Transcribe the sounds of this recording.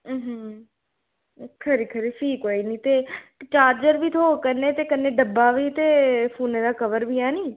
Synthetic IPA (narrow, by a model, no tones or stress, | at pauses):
ɦ | kʰəɾiːkʰəɾiːsiːkoːiːniːt̪eːt͡ʃaːɾd͡ʒəɾbiːt̪ʰoːkəneːt̪eːkənːeːɖəbaːʋiːt̪eːfʰuːneːd̪aːkəʋəɾbiːɛ̃ːniː